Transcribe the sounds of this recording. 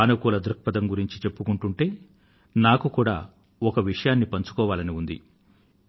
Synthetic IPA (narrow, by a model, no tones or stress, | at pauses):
aːnɐkuːlɐd̪ɾɐk̚pɐd̪ɐmɡuɾiɲt͡ʃit͡ʃe̞pːukuɳʈuɳʈe̞ː | naːkukuːɽa̰ː | ɔkɐʋiʂɐjaːnːipɐɲt͡ʃu̥kɔːʋaːlɐniund̪ḭ